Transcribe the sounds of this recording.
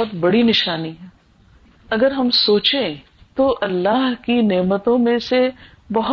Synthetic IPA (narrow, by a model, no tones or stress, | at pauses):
ʊt̪bɐɽinɪʃaːniɦɛː | ɐɡəɾɦɐmsoːt͡ʃẽ | t̪oʔɐlːaːɦkineːmət̪õmẽse | bɐɦ